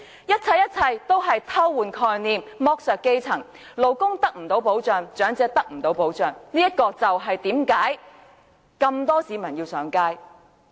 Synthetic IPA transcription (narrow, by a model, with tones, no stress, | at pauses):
jɐ˥t̚t͡sʰɐ˧jːɐ˥t̚t͡sʰɐ˧jt̪o˥wɦɐ˨jt̪ʰɐ˥wːuː˨nkʰɔː˧jniː˨mmɔː˧˥k̚sœː˨ke˥jt͡sʰɐ˨˩ŋ | lo˨˩wkʊ˥ŋt̪ɐ˥k̚m̩˨˩t̪o˨˧˥wpo˨˥wt͡sœː˨ŋt͡ʃœː˨˥ŋt͡sɛː˧t̪ɐ˥k̚m̩˨˩t̪o˨˥wpo˨˥wt͡ʃœː˨˩ŋniː˥jɐ˥t̚kɔː˧t͡sɐ˨wɦɐ˨jt̪iː˨˥mkaː˨˥j | kɐ˧mt̪ɔː˥siː˨˧mɐ˨˩njiː˧wsœː˨˥ŋkaː˥j